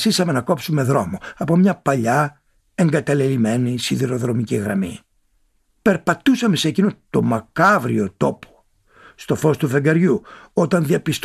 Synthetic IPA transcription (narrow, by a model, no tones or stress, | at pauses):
sisɐme̞nɐko̞psume̞ðɾo̞mo̞ɐpo̞mɲɐpɐʎɐ | e̞ŋɡɐt̪ɐlelime̞nisiðiɾo̞ðɾo̞miciɣɾɐ̰mḭ | pe̞ɾpɐt̪usɐme̞seːcino̞t̪o̞mɐkɐvɾio̞t̪o̞pʰo̥ | st̪o̞fo̞st̪uve̞ŋɡɐɾʝuo̞t̪ɐnðiɐpist̪